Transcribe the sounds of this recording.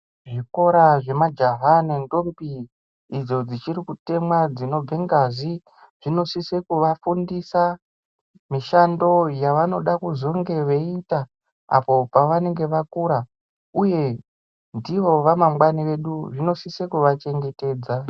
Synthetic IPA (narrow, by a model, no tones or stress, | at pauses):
ʐiko̞ɾaʐe̞mad͡ʒaɦanendo̞mbiː | d͡zo̞d͡zit͡ʃiɾikute̞mwad͡zino̞b͡ve̞ŋɡazi | ʐ̥ino̞sise̞kuʋafundisa | miʃando̞jaʋano̞ɗakuzo̞ŋɡe̞ʋe̞ita | a̰po̞paʋane̞ŋɡe̞ʋakuɾa | uje̞ | ndiʋo̞ʋamamwaniʋe̞ɗuʐino̞sisekuʋat͡ʃe̞ŋɡe̞te̞ːd͡za